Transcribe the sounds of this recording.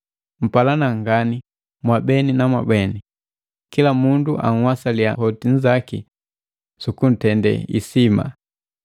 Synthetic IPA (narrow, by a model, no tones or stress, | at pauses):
m̩palanaŋɡani | mwabɛninamwa̰bɛni | kilamunduʔa̰ŋ̩wasalja̰hɔtin̩zakḭ | sukun̩tɛndɛ̰ḭsima̰